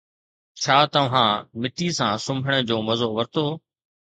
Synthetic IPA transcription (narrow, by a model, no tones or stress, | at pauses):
t͡ɕʰaːt̪ɐʋ̤ãːmɪʈisãːsʊmbʱəɽ̃ə̆d͡ʑoːmɐzoːʋɐɾt̪oː